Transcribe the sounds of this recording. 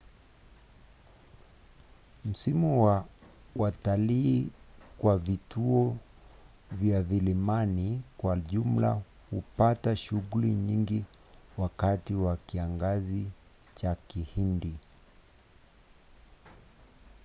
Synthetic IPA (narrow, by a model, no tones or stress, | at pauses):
m̩simuwa | wataliːkwavituɔ | vjavilimanikwaʄum̩la̰ | hupataʃuɣuliɲiŋɡi | wakatiwakiaŋɡazi | t͡ʃakihindi